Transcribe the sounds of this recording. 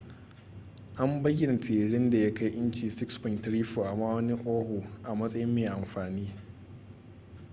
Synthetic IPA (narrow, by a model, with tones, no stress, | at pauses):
ʔa˦mbɐ˦jɪ˦na˨tʰeː˨ɽɪ˦nda˨ja˦ka˦jʔɪ˦nt͡ʃiː˨sɪ˦kspɔ˨ntɾiː˦ɸoː˨ʔa˨maː˦wɐ˦ni˦ʔoː˦hu˨ʔa˨mɐ˦sʼɐ˦jɪ˦mːeː˨ʔa˨mɸaː˨niː˦